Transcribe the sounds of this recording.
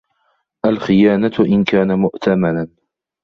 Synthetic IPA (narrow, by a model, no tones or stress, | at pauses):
ʔalxɪjaːnat̪ʔɪnkaːnamʊʔt̪ʰamanan